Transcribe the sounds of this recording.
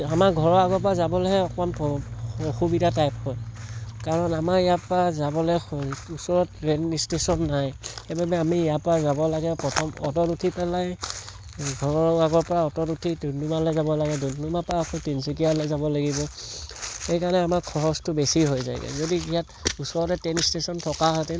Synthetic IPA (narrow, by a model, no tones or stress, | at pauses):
amaɡʱɔɹɔaɡɔp̬ɔɹazabɔlɛɦɛɔkɔɔnpɔoxubidatajpkɔjkaɹɔnamaɹɛjapɹazabɔlɛjusɔɹɔtɹɛnistesɔnːajxebabɛamiːjapɔazabɔlaɡɛpɹɔtʰɔmɔ̰tɔtutʰipɛlaj | ɡʱɔɹɔɹɔɡaɡɔɹpɔɹaɔtɔtutʰidunumalɛzabɔlaɡɛdundumapaːkʰɔtinsikialɔzabɔlaɡibɔ | xejkanɛamakʰɔɦɔstʊbesiɦojza̰jɡɛ̰zodiijatusɔɹɔtɛtɛnistesɔntʰɔkaɦɔtɛ